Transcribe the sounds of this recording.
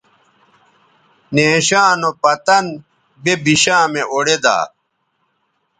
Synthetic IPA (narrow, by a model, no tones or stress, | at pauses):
neːɕaːnopɐt̪ɐn | bebiɕãːmeʔoɽed̪a̰ː